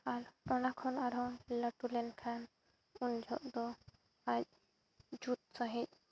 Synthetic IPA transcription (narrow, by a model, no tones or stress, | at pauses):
aɾɔnakʰɔnaɾɔlaʈulɛnkʰan | und͡ʒʱɔʔd̪ɔ | ac̚ | d͡ʒut̪̚saɦic̚ˀ